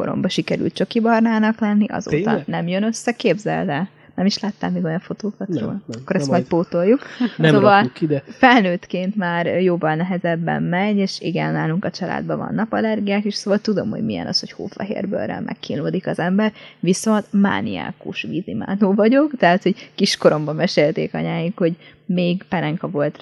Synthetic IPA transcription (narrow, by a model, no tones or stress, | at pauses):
ko̞̰ɾo̰mbɒʃikɛɾy̰lt̪̚t͡ʃøkibɒrnaːnɒklɛnːiʔɒ̰zo̰ːɒ̰nɛmjønøsːɛkeːbzɛ̰lvɛ | nɛmiʃlaːt̪ːaːmmiɡo̞jɒɱfo̞t̪oːkɒt̪ro̰ːlɒkːoɾɛst̪mɒjt̪̚poːt̪o̞jːuksovɒld̪fɛlnøːt̪keːnt̪maːrjoːvɒlnɛɦɛzɛbːɛ̰mːɛɲeːʃiɡɛnːaːluŋkɒt͡ʃɒla̰ːd̪̚bɒvɒ̰nːɒpɒlɛrɡijaːkiʃsoːvɒlt̪ud̪o̞̰mho̰ɟmijɛ̰nɒ̰sho̞cho̰ːfɛ̰ɦḛːrbø̰rːɛ̰lmʔɛ̰kːiːnloːd̪ikɒzɛmbɛrʋiso̞nt̪ma̰ːnia̰ːkuʃʋizima̰ːnoːvɒɟo̞kt̪ɛɦaːt̪ho̞ɟkiʃko̞ɾo̞mbɒmɛʃeːlt̪ḛːkɒ̰ɲaːjikho̞ɟmeːɡpɛɾɛŋkɒvo̞lt̪